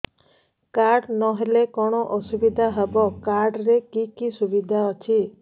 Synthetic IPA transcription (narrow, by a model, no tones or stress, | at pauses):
kaɾɖnɔɦelekɔɽ̃ɔʔɔsubid̪ʱaɦebɔkaɾɖɾekikisubid̪ʱaɔt͡ʃʰi